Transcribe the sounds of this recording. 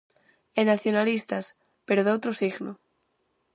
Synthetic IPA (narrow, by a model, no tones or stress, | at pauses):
enaθjonalist̪as | peɾoðowt̪ɾosiɣno